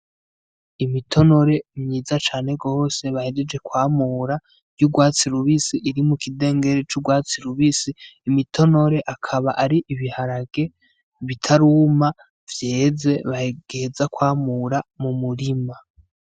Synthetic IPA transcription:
imitʰo̞no̞ɾe̞mɲiːzat͡ʃaːne̞ɡo̞ːse̞βahed͡ʒed͡ʒe̞kwaːmuːɾḁ | ɟuɡwaːt͡siɾuβisiʔiɾimukide̞ːŋɡe̞ɾet͡ʃuɡwaːt͡siɾuβisiːmitʰo̞no̞ɾe̞ʔakʰaβaʔaɾiʔiβihaɾaɡ̥e̞ | βitʰaɾuːma | vje̞ːze̞βaheɡ̥ezakwaːmuɾamumuɾima

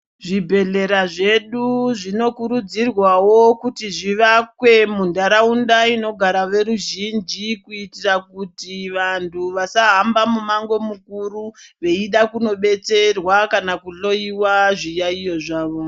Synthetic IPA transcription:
ʐibʱe̞ɮe̞ɾaʐe̞ɗuʐino̞kuɾud͡zirwawo̞kutiʐiʋakwe̞mundaɾaundaino̞ɡʱaɾaʋe̞ɾuʒind͡ʒikuitirakutiʋantʰuʋasaɦambamumaŋɡo̞mukuɾuʋe̞iɗakuno̞ɓe̞t͡se̞rwakanakuɬo̞iwaʐijaijo̞ʐaːʋo̞

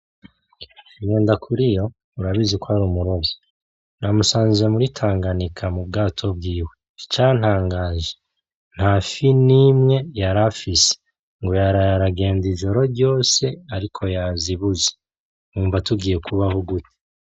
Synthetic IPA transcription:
iɲeːndakʰuɾijo̞ | uɾaβizekoaɾuːmuɾo̞ɡo | namusaːnziemuɾitʰaːŋɡanikʰamub̚ɡaːtʰo̞b̚ɡiːwe̞ | t͡ʃit͡ʃaːn̥haːŋɡaːʒe | n̥hafinimŋe̞jaɾafise̥ | ŋɡo̞jaɾajaɾaɡe̞ːndiʒo̞ɾo̞ɾɟo̞ːse̞aɾikʰo̞jaziβuze | muːɱvatuɡiːje̞kʰuβahoɡute̥

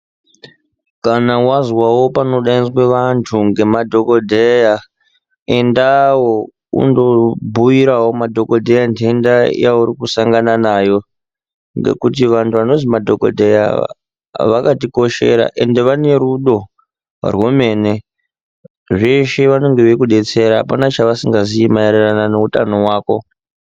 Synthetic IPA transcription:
kanawazwawo̞pano̞ɗainzweʋantʰuŋɡe̞madʱo̞ko̞dʱeja | e̞ndawo | ṵndo̞bʱujiɾawomadʱo̞ko̞dʱejandeenda̰jauɾikusaŋɡananaːjo̞ | ŋɡe̞̰kutiʋantʰuʋano̞zimadʱo̞ko̞̰dʱe̞ja̰ | ʋakatiko̞ʃe̞̰ɾa̰ʔe̞nde̞ʋane̞ɾuɗo̞ | a̰rwome̞ːne̞ | ʐeʃeʋano̞ŋɡe̞ʋekuɗe̞t͡se̞ɾaɦa̰panat͡ʃaʋasiŋɡaziimaeriranane̞utano̞waːko̞

